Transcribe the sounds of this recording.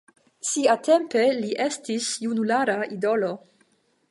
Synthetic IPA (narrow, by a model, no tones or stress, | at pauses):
siatempeliʔestisjunulaɾaʔido̞lo